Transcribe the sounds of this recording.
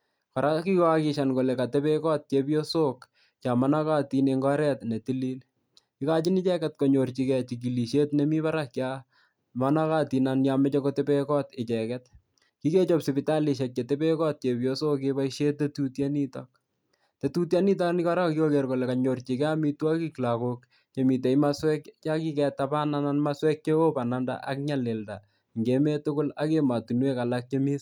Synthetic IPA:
ka˨ɾa˦ki˦kakɪʃanko˨le˨ka˨tɛpekɔ˦t̚t͡ʃepjosok | t͡ʃa˨mana˦ka˦tineŋɡɔɾɛ˨tne˨tili˦l | kɪ˦ka˦t͡ʃɪ˦nɪ˦t͡ʃɛ˦kɛtko˨ɲo˨rt͡ʃikɛt͡ʃiki˨li˨ʃe˦tnɛmi˦βa˦ɾakt͡ʃa | mana˦katinanjamɛ˦t͡ʃɔkotɛ˦pekɔ˦tɪ˨t͡ʃɛkɛt̚ | ki˦ke˦t͡ʃɔ˨psipɪta˦li˨ʃ̬ɛk̚t͡ʃe˨tepe˦kɔ˦t̚t͡ʃe˨pjo˦so˦kepaiʃe˦t̚te˦tutja˦ni˦ta̰k̚ | tetu˦tja˦ni˦t̬a˦ni˦ka˦ɾa˦kjo˦ke˨rko˨lɛ˨ka˨ɲo˨rt͡ʃi˨kɛ˦a˦mi˦twa˦ki˦kla˨kok | t͡ʃe˨mi˨t̬e˨jma˦swɛ˦kt͡ʃa˦ki˦kɛ˨tapa˦nananmaswɛ˦k̚t͡ʃe˦o˦pa˨na˦nda̰ʔa̰k̚ɲa˦le˨lda̰˨ | ŋɡe˦me˦tʊkʊ˦la˦ke˦ma˨tu˨nwe˦ka˨lak̚t͡ʃe˦mi˦s

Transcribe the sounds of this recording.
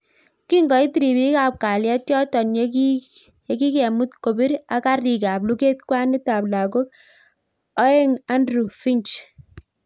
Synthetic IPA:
ki˦ŋɡɔ˨i˦ti˨ɾi˨bi˦ka˨p̚ka˨ljɛ˦t̚jɔ˦tɔ˨n | e˦ki˦kɛ˨mu˦tko˨bi˦ɾa˨ka˦ri˨ka˨b̚lu˦ke˦t̚kwa˦nɪ˦ta˨bla˨ko˦k̚ | ɔ˦e˦ŋa˦ndɾu˨fi˦nt͡ʃ

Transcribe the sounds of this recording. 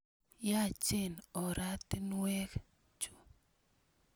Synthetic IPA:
ja˦˨t͡ʃɪ˦˨nɔ˨ɾa˦t̪i˦nwɛ˦k | t͡ʃu˨

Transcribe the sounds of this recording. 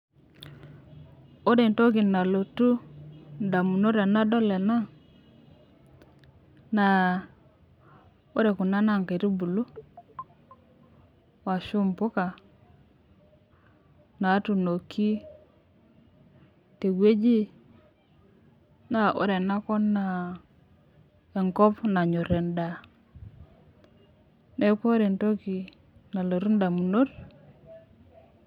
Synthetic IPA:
o˦ɾe˨nto˦kɪ˨na˨lo˨tu˦nda˨mu˨no˦ɾɛ˨na˦dɔ˦lɛ˨na˦ŋ | na˨ | o˦ɾe˨ku˨na˦na˦˨ŋke˨ɾu˦bu˨lu˦ | wa˨ʃʊ˦mpʊ˦ka˨ | na˨˦tu˨no˨kːi˦ | te˨ɡe˦d͡ʒi˦ | na˨ʔʊ̰˨ɾe˨na˦kɔ˦nːa˨ | e˨ŋkɔ˦pna˨ɲo˨ɾe˨nda˨ | ne˦ko˦ɾe˨nto˦ki˨ | na˨lo˨ɾu˦nda˨mu˨no˦ɾ

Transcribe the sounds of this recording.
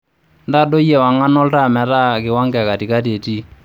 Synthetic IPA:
nda˦do˦jɛ˨wa˨ŋa˦nɔ˦lta˦˨mɛ˨ta˦kɪ˨wa˦ŋɡɛ˨ka˨ti˨ka˦te˨ti˦

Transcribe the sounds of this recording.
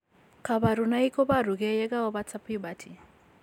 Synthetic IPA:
kʰa˨ba˨ɾu˨na˦i˦kʰɔ˦ba˦ɾu˨kɛ˦jɛ˦ka˦ɔ˦ba˦t͡sʰa˦pʰi˦ba˨tʰi˨

